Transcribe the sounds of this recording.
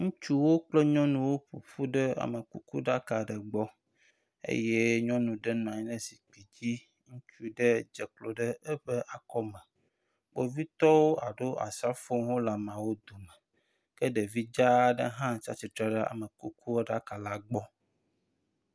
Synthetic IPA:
ŋũ˦t͡ʃu˦wo˦k͡plɛ˦ɲɔ̃˦nũ˦wo˦ɸṵ˨ɸu˦ɖə˦a̰˨mə˨kṵ˦kṵ˦ɖa˦ka˨ɖɛ˨ɡ͡bɔ˦ | ḛ˦je˦ɲɔ̃˦nũ˨ɖɛ˦nã˨ɲ˦nẽ˦si̥˨k͡pi˨d͡ʑi˦ | ŋũ˦t͡ʃu˦ɖe˦d͡ʒɛ˨klo˨ɖə˦ɛ˦ɸɛ˦ʔa˨kɔ˦mɛ̃˨ | k͡po˨vi˦t̪ɔ˦wo˦a˨ɖo˦ʔa̰˨sa˦fo˦ŋɦo˦la˨mã˨wo˦d̪o˨mɛ˨ | kɛ˦ɖe˨vi˦d͡ʒa˦ɖə̰˦ɦã˦˨t͡ʃa̰˦t͡ɕi˦t̪ɾa˦ɖɛ˦a̰˨mə˨ku˦ku˦o˦ɖa˦ka˨la˦ɡ͡bɔ˦

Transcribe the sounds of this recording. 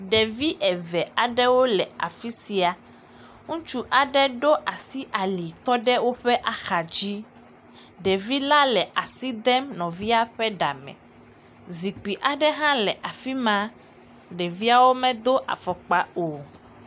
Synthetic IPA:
ɖɛ˨vi˦ʔɛ˨vɛ˨a˨ɖɛ˦wo˦lɛ˨a̰˨fi˦si˨a˨ | ŋũ˦t͡ʃu˦ʔa˨ɖɛ˦ɖo˦ʔa˨si˦ʔa˨li˨t̪ɔ˦ɖɛ˦wo˦ɸɛ˦ʔa˨xa˨d͡ʑi˦ | ɖɛ˨vi˦la˦lɛ˨ʔa˨si˦d̪ɛ˦mnɔ̃˨vi˦a˦ɸɛ˦ɖa˨mɛ̰̃˨ | zi˨k͡pi˨ʔa˨ɖɛ˦ɦã˦lɛ˨ʔa˨fi˦mã˦ | ɖɛ˨vi˦a˦wo˦mɛ̃˦d̪o˦ʔa̰˨fɔ˨k͡pa˨o˨

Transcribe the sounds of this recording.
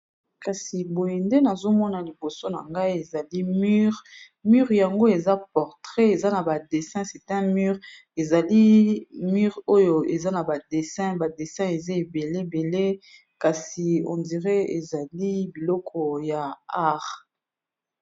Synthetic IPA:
ka˨si˨bo˨je˨nde˦na˨zo˦mɔ˦na˨li˨bo˨so˦na̰˨ŋɡa˦i˦e˨za˨li˦m˦ʁ | my˦ʁja˨ŋɡo˦e˨za˦p̚ɔ˨ʁtʁe˦e˨za˦na˨ba˨de˨sɛ̃˦sɛ˨tɛ̃˦my˦ʁ | e˨za˨li˦my˦ʁo˦jo˨e˨za˦na˨ba˨de˨sɛ̃˦ba˨de˨sɛ̃˦e˨ze˦e˨be˨le˦be˨le˦ | ka˨si˨ɔ̰̃˨ndi˨ʁe˦e˨za˨li˦bi˨lɔ˦kʰɔ˨ja˨a˦ʁ

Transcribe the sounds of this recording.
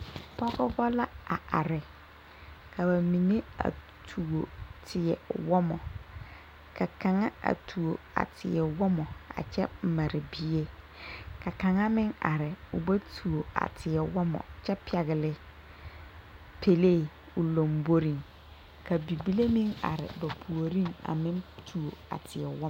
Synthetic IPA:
pɔ˦ɣɔ˦bɔ˦la˦a˨a̰˨ɾɪ˨ | kʰa˨ba˨mĩ˨ne˦a̰˨ | tʰu˨o˨tʰɪ˨ɛ˨wɔ˦mɔ˨ | ka˨ka˨ŋa˦a̰˨tʰu˨o˨ | a̰˨tʰɪ˨ɛ˨wɔ˦mɔ˨a̰˨t͡ʃɛ̰˦˨ma˨ɾɪ˨bi˦e˦ | ka˨ka˨ŋa˦mɪ˦ŋa̰˨ɾɪ˨ʊ˨ba˦tʰu˨o˨a̰˨tʰɪ˨ɛ˨wɔ˦mɔ̰˨t͡ʃɛ˦pi˦ɛ˨ɣɪ˨lɪ˨ | pʰe˨le˦˨ | ʊ˨lo˨mbo˦ɾi˦ŋ | ka˨bi˨bi˦le˦mɪ˦ŋa̰˨ɾɪ̰˨ba˨pʰu˨o˨ɾi˦ŋa̰˨mɪ˦ntʰu˨o˨a̰˨tʰɪ˨ɛ˨wɔ˦

